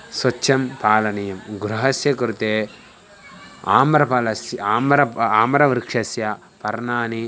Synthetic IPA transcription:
sʋɐt͡ʃːɐmpaːlɐnɐjɐmɡuɾuɦɐsjɐkuɾut̪eː | aːmɾɐpɐlɐsjaːmɾɐaːmɐɾɐʋiɾkʂɐsja | pɐɾnaːni

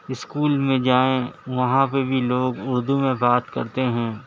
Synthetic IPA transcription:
ɪskuːlmẽd͡ʒaːẽʋɐɦãpebʱiloːɡʊɾd̪umẽbaːt̪kɐ̰ɾt̪eɦɛ̃ː

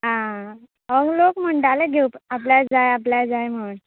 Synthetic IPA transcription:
ɦã | əɡlokm̤əɳɖaleɡʱeupap̬ljad͡zajapljad͡zajm̤ən

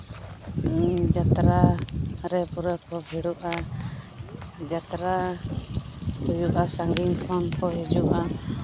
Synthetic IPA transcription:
iɲd͡ʒat̪ɾaɾɛpuɾakɔbʱiɽuʔa | d͡ʒat̪ɾa | hujuʔasaŋɡiŋkʰɔnkɔɦid͡ʒuʔa

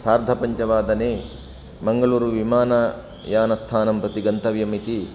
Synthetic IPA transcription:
saːɾd̪ʱɐpɐɲt͡ʃɐʋaːd̪ɐneː | mɐŋɡɐluːɾuʋimaːnɐ | jaːnɐst̪ʰaːnɐmpɾɐt̪iɡɐnt̪ɐʋjɐmit̪i

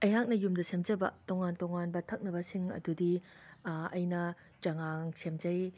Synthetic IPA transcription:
ɐjɦak̚nɐjumdɐsemd͡ʒɐbɐ̰toŋantoŋanbɐtʰɐk̚nɐbɐsiŋɐ̰dudi | ɐjnɐ | t͡ʃɐŋaŋsemd͡ʒɐj

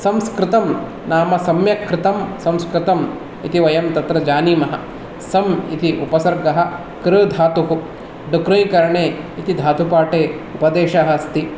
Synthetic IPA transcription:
sɐmskɾɪt̪ɐm | naːmɐsɐmjɐkɾɪt̪ɐmsɐmskɾɪt̪ɐm | ḭt̪iʋɐjɐmt̪ɐt̪ɾɐd͡ʒaːniːmɐɦɐ̰̆ | sɐmḭt̪iʔupɐsɐɾɡɐɦɐ̆ | kɾɐd̪ʱaːt̪uɦu | ɖukɾɐjkɐɾɐɳeːit̪id̪ʱaːt̪upaːʈeːupɐd̪eːʃɐɦɐst̪i

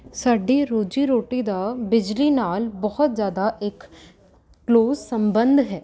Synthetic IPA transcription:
saːɖiːɾoːd͡ʒiːɾoːʈiːd̪aːbɪd͡ʒliːnaːlbɔɦʊt̪zjaːd̪aʔɪkː | loːzsəmbənd̪ɦɛː

